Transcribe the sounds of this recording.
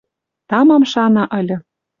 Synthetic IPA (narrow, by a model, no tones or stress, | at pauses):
t̪ɑmɑmʃɑnɑʔɤ̆lʲɤ̆